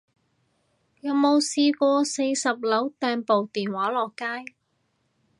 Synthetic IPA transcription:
jɐ˨˧wmo˨˧wsiː˧kʷɔː˧se˧jsɐ˨p̚lɐ˨˥wt̪ɛː˧npo˨wt̪iː˨nwaː˨˥lɔː˨kːaː˥j

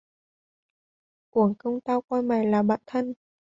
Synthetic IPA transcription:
ku˧˩əŋkə˧wŋ͡mt̪aː˧wkwaː˧jma˨˩jlaː˨˩ɓa̰ː˧˨nt̪ʰə˧n

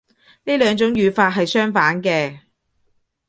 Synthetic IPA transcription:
niː˥lœː˨˧ŋt͡sʊ˨˥ŋjyː˨˧faː˧t̚ɦɐ˨jsœː˥ŋfaː˨˥nkɛː˧

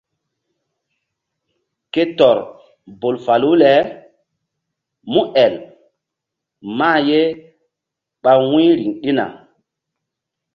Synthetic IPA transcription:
ke˦tɔ˨ɾ | bo˨lfa˨lu˦lɛ˨˦ | mũ˦ʔɛ˨l | ma˦˨je˦ | ɓa˦wĩ˦ɾi˨ŋɗi˦na̰˨

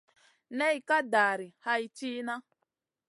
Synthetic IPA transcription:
ne˦i˨ka˦da˨ɾɪ˨ha˦i˦t͡ʃiː˦na˦

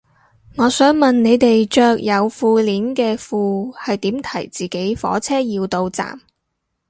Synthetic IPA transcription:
ŋɔː˨˧sœː˨˥ŋmɐ˨nne˨˧jt̪e˨jt͡ʃœː˧k̚jɐ˨˧wfuː˧liː˨˥nkɛː˧fuː˨˧hɐ˨jt̪iː˨˥mt̪ʰɐ̰˨˩jt͡siː˨ke˨˥jfɔ̰ː˨˥t͡sʰɛː˥jiː˧wt̪o˧wt͡sa̰ː˨m

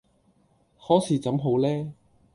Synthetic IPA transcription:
hɔː˨˥siː˨˥t͡sɐ˨˥mɦo˨˥wlɛː˥

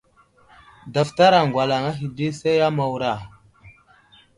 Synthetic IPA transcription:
da˨fta˦ɾa˨ŋ˨ɡʷwa˨la˨ŋa˦ɦi˨di˦se˦ja˦ma˨wu˨ɾa˦˨

